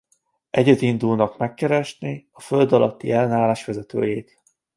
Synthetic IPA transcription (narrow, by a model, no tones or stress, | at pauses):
ʔɛɟɛt̪ind̪ulnɒkmɛkːɛɾɛʃniɒfø̞ld̪ɒlɒt̪ːḭɛlːɛnaːlaːʃʋɛzɛt̪ø̰ːjeːt̪